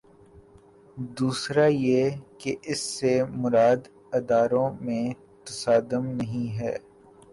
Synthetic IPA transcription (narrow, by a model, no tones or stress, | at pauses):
d̪uːsɾajeːkeɪsːemʊɾaːd̪ | ɐd̪aːɾõmẽ | t̪ɐsaːd̪əmnɐɦĩɦɛ̰ː